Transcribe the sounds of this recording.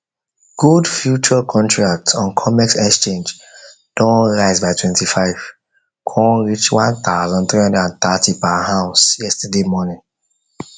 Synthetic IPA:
ɡ̥udfjut͡ʃəkʰɔ̃ntʰɹak̚tsɔ̃nkʰɔmɛksɛkst͡ʃẽnd͡ʒ | d̥ɔ̃nɹaɪzbaɪtʰwɛ̃ntifaɪv̥ | kʰɔ̃nɹit͡ʃwãnθaʊzɔ̃nθɹihʌ̃ndədãnt̪atʰipahaʊsjɛstədemɔnɪ̃ŋ

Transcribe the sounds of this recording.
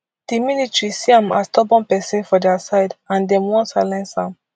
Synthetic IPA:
d̥iminitɹisiãma̰stɔbɔ̃npɛsĩnfɔdɛasaɪdãndɛ̃mwɔ̃nsaɪlɛ̃nsãm

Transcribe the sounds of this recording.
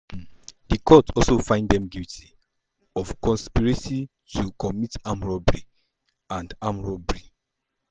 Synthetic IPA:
dikʰɔtʰɔlsofãɪ̃ndɛ̃mɡiltʰi | ɔfkɔ̃nspiɹesi | tʰukʰɔmitãmɹɔbɹi | ãndamɹɔbɹi

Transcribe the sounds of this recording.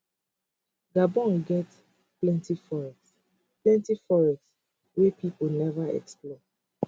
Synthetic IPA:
ɡabɔ̃nɡɛt | plɛ̃ntifɔɹɛs | plɛ̃ntifɔɹɛs | wepipənɛvaɛ̰ksplɔ

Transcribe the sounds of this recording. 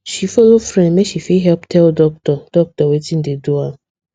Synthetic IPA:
ʃifolofɾɛ̃nmeʃifiɦɛlptʰɛldɔk̚tɔd̥ɔk̚tɔwetĩn̩dedua

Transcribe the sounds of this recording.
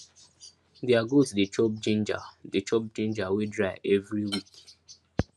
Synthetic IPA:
deaɡotudet͡ʃɔp̚d͡ʒẽnd͡ʒa̰det͡ʃɔp̚d͡ʒẽnd͡ʒawedɹaɪʔɛvɹiwik

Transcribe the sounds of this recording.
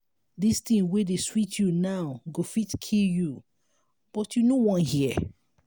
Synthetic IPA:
distĩnwedeswitʰjunaʊɡofitkʰilju | b̥ɔtjunowɔ̃nhi

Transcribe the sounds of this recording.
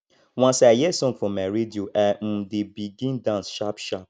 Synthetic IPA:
wãnsajɛsɔ̃ŋɡfɔ̃mːaɹedioʔam̩dibiɡĩndãnsʃapʃap̚

